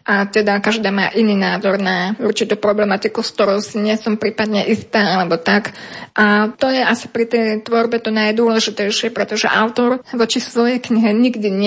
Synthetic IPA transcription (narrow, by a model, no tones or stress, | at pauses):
ʔat̪ɛd̪akaʒd̪aːma̰ːʔiniːnaːzɔɾnauɾt͡ʃit̪uːpɾɔblɛmat̪ikuskt̪ɔɾɔʊsiɲɪɛsɔmpɾiːpad̪ɲɛʔist̪aːalɛbɔt̪akʔat̪ɔjɛʔasi̥pɾit̪ɛjt̪ʋɔɾbɛt̪ɔnajd̪ʊɔlɛʒit̪ɛjʃɪɛpɾɛt̪ɔʒɛ̰ʔa̰ʊt̪ɔɾʋɔt͡ʃisʋɔjɛjkɲiɦɛɲiɡd̪iɲɪ